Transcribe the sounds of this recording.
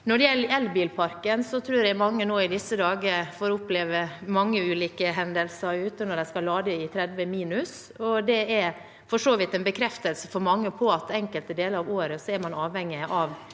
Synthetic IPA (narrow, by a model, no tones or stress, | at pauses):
nɔɖɛjɛlːəɾɛlbiːlpʰɑɾkənsɔt̪ʰɾʉːɾjæɪmɑŋːənoːɪd̪ɪsːəd̪ɑːɡəfoːɾʊpleːʋəmɑŋːəʉːliːkəɦɛnd̪əlsəɾʉːt̪ənɔɾd̪æɪskɑlːɑːd̪əɪt̪ʰɾɛd̪ʋəmiːnʉs | ɔd̪ɛɛɾ | fɔʂoːʋɪt̪ɛnbəkʰɾɛft̪əlsəfɔɾmɑŋːəpʰɔɑt̪ɛŋkəlt̪əd̪eːləɾɑʋoːɾəsɔɛɾmɑnɑːʋhɛŋːɪʔɑʋ